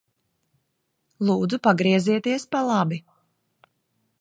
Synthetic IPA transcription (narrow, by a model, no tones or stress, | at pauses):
lˠuːd̪zupaɡɾiɛziɛt̪iɛspalˠabi